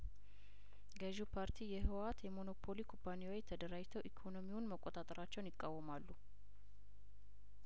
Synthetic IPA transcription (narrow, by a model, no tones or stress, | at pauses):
ɡəʒupʰaɾt̪ʰijɛhɨwat̪jɛmo̞no̞pʰo̞likʰopʰːaniwojt̪ʰəd̪əɾajt̪ʰəwʔikʰo̞no̞miwʊnməkʼːot̪ʼat̪ʼəɾat͡ʃːɛwnjɪkʼːawːəmalːu